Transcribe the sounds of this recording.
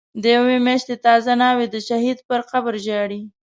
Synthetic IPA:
d̪əjawemjaʃt̪et̪ɑzanɑwed̪əʃaɦid̪pəɾqabəɾʒɑɽi

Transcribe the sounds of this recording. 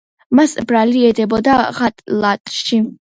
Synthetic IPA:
masbɾaliɛd̪ɛbɔd̪aʁat̪ʼlat̪ʼʃi

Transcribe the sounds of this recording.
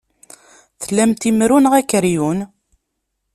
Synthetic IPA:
θəlːæmt̪imɾunʁækːəɾjun

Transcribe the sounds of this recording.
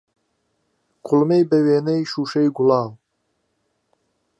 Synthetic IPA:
kʰʊlmejbɛweːnɛjʃuːʃejɡʊlɑːw

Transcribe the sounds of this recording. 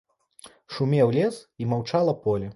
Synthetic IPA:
ʂumʲɛwlʲɛsimawt͡ʂalˠɐpɔlʲi

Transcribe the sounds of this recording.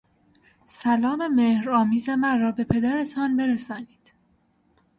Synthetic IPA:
sælɒːme̞mehɾɒːmiːze̞mænrɒːbe̞pʰe̞d̪æɾe̞t̪ʰɒːnbe̞ɾesɒːniːd̪̥

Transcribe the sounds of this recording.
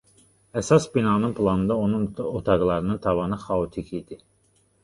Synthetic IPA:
æsɑsbinɑnɯnpʰlˠɑnɯnd̪ɑonunot̪ʰɑɡlˠɑɾɯnɯnt̪ʰɑvɑnɯxɑot̪ʰikʰid̪̥i

